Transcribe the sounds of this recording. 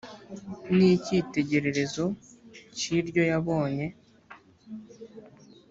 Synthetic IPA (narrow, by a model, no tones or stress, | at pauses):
niciːte̞ɟe̞ɾe̞ɾe̞zo̞ | ciɾɟo̞jaβo̞ːɲe̞